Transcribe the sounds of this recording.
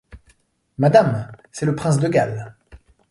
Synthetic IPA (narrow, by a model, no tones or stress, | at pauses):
mad̪amsɛləpχɛ̃s̬d̪əɡal